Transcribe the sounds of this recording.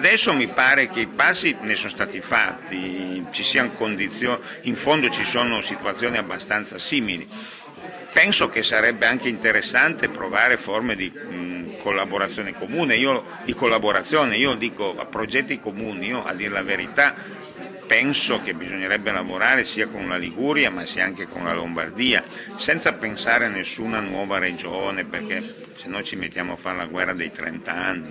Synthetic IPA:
ad̪ɛsːomipaːɾek̟eipasːinesonost̪aːt̪ifat̪ːit͡ʃisiːanokond̪it̪sjoː | iɱfond̪ot͡ʃisoːnosit̪uat̪sːjoːniabːast̪ant̪sasiːmilḭ | pɛnsokesaɾɛbːeaŋkeint̪eɾesːant̪epɾovaːɾeformed̪i | kʰolːaboɾat̪sːjoːnekomuːneiːo | d̪̥ikolːaboɾat̪sːjoːneiːod̪iːkoa̰pɾod͡ʒɛt̪ːikomuːniiːoʔa̰d̪ːiːɾelaveɾit̪a | pɛnsokebizoɲːeɾɛbːelavoɾaːɾesiːakonlaliɡuɾjamasiaaŋkekonla̰lomba̰rd̪iːa | sɛnt̪sapensaːɾeanːesːuːnanwɔːvaɾed͡ʒoːneperke | senːojt͡ʃimet̪ːjaːmoafːaɾela̰ɡwɛrːad̪ḛjt̪ɾɛ̰nt̪aanːi

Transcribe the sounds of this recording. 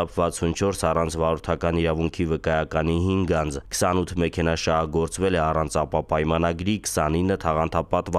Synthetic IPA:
ɑpʰvɑt͡sʰunt͡ʃʰɔɾsɑrɑnt͡sʰvɑɾut̪ʰɑkɑniɾɑvuŋkʰivəkɑjɑkɑnihiŋɡɑnd͡zkʰə̥sɑnut̪ʰmɛkʰɛnɑʃɑɦɑɡɔɾt͡svɛlɛɑrɑnt͡sʰɑpɑpɑjmɑnɑɡɾikʰə̥sɑninːət̪ʰɑʁɑnt̪ʰɑpɑt̪vɑ

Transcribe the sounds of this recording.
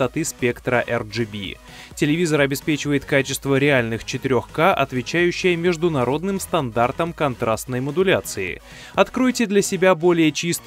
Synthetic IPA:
t̪ɐt̪ɨspʲe̞kt̪ɾəʔɛrʐɨbʲḭ | tʲɪlʲɪvʲizəɾɐbʲɪspʲet͡ɕɪvəjɪt̪kat͡ɕɪst̪vəɾʲɪalʲnɨxt͡ɕɪt̪ɪɾʲo̞xkaʔɐ̰t̪vʲɪt͡ɕæjʉɕːɪjəmʲɪʐd̪ʊnɐɾo̞d̪nɨmst̪ɐnd̪art̪əmkɐnt̪ɾast̪nəjməd̪ʊlʲat̪sɨɪ̰ | ɐt̪kɾo̞jtʲɪd̪lʲɐsʲɪbʲabo̞lʲɪjət͡ɕist̪

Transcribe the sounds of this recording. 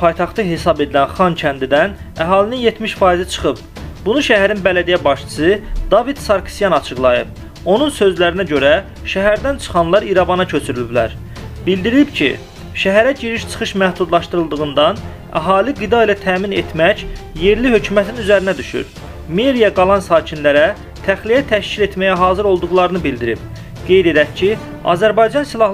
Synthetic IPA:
pʰɑjt̪ʰɑχt̪ɯɦe̞sɑbe̞d̪ilænχɑncʰænd̪id̪æn | æɦɑːlininje̞t̪miʃfɑːizit͡ʃʰɯ̥χɯp̚ | bunuʃæɦæɾinbælæd̪ijæbɑʃt͡ʃʰɯ̥sɯd̪̥ɑvid̪̥sɑɾkʰsijɑnɑt͡ʃʰɯɡlˠɑjɯ̰p̚ | o̞nunsø̞zlæɾinæɟø̞ɾæ | ʃæɦæɾd̪ænt͡ʃʰɯ̥χɑnlˠɑɾiɾɑbɑnɑcʰø̞t͡ʃʰyɾylyblæ̰ɾ | b̥ild̪iɾibcʰḭ | ʃæɦæɾæɟiɾiʃt͡ʃʰɯ̥χɯʃmæhd̪ud̪lˠɑʃt̪ɯɾɯlˠd̪ɯɣɯnd̪ɑn | æ̰ɦɑːliɡid̪ɑilæt̪ʰæːminet̪ʰmæcje̞ɾlihø̞cʰymæt̪ʰinyzæɾinæd̪yʃy̰ɾ | meɾijɑɡɑlˠɑnsɑːcʰinlæɾæ | t̪ʰæχlijæt̪ʰæʃcile̞t̪mæjæɦɑːzɯɾo̞lˠd̪uɣlˠɑɾɯnɯbild̪iɾib̚ | ɡ̥e̞jd̪e̞d̪æcʰi | ɑ̰zæɾbɑjd͡ʒɑnsilˠɑ

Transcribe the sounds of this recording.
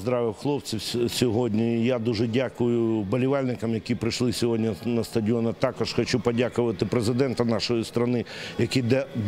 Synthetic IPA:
zd̪ɾɑʋɪwxlˠɔpt͡sʲiwsʲɔɦɔdʲnʲijad̪uʒɛdʲakʊjʊbɐlʲɪʋɑlʲnɪkɐmjɐkʲipɾɪʃlˠɪsʲɔɦɔdʲnʲinɐst̪ɐdʲɪɔnɐt̪ɑkɔʃxɐt͡ʃupɐdʲakʊʋɐt̪ɪpɾezɪd̪ɛnt̪ɐnɑʃɔjist̪ɾɐnɪjɐkʲid̪ɛ

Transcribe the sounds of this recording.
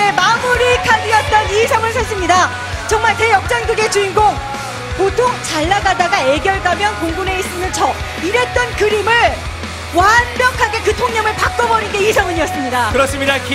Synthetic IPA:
emamuɾikʰad͡ʑiʌt̚t͈ʌnisʰʌŋɯɭsʰas͈ɯmɲida | t͡ɕʌŋmaɭte̞jʌk̚t͡ɕ͈anɡɯɡe̞t͡ɕuinɡoŋ | potʰoŋt͡ɕaɭːaɡadaɡae̞ɡjʌɭɡamjʌnkoŋɡune̞is͈ɯnɯnt͡ɕʌ | iɾe̞t̚t͈ʌnkɯɾimɯɭ | wanbjʌkʰaɡe̞kɯtʰoŋɲʌmɯɭpak̚k͈ʌbʌɾinɡe̞isʰʌŋɯɲiʌs͈ɯmɲidakɯɾʌs͈ɯmɲidakʰ

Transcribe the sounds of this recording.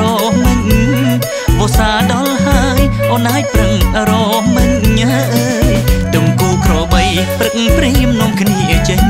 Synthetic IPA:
ɔːʔmɨɲ | ɓɔːsaːɗɑlɦaəjʔonaːj̚prɨŋɾɔːʔmɨɲaʔəːt̪ɨmkuːkrɔːɓəj | prɨk̚ŋ̩priəmnoːŋkʰniəət͡ɕəɲ

